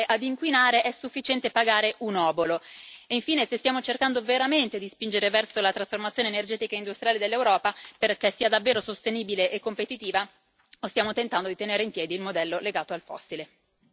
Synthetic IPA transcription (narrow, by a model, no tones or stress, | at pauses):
ʔad̪iŋkwinaːɾeʔɛsːufːit͡ʃɛnt̪epaɡaːɾeʔunɔːboloiɱfiːnesest̪jaːmot͡ʃerkand̪oveɾament̪ed̪ispind͡ʒeɾevɛrsolat̪ɾasformat̪sjoːneːnerd͡ʒɛːt̪ikaind̪ust̪ɾjaːled̪elːewɾɔːpaperkesːiːad̪avːeːɾosost̪eniːbileʔekːompet̪it̪iːva | ost̪jaːmot̪ent̪and̪od̪it̪eneːɾeimpjɛːd̪iːlmod̪ɛlːoleɡaːt̪oalfɔ̰sːile